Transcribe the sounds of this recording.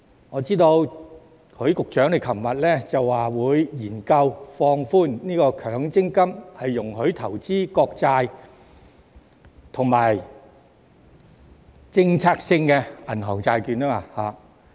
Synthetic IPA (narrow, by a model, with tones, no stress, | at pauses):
ŋɔː˨˧t͡siː˥t̪o˧w | kʰɵ˨˧˥ɥkʊ˨k̚t͡ʃœː˨˥ŋle˨˩jkʰɐ˨˩mmɐ˨t̚lɛː˥t͡sɐ˨wːaː˨wuː˨˧jjiː˨˩nkɐ˧wfɔː˧ŋfuː˥nniː˥kɔː˧kʰœː˨˧˥ŋt͡sɪ˥ŋkɐ˥mhɐ˨jːʊ˨˩ŋɦɵ˨˥ɥt̪ʰɐ˨˩wt͡siː˥kɔː˧k̚t͡saː˧j | t̪ʰʊ˨˩ŋmaː˨j | t͡sɪ˥ŋt͡sʰaː˥k̚sɪ˧ŋkɛ˧ɐ˨˩nɦɐ˨˩wt͡saː˧jkyː˨˧naː˥aː˧haː˨˧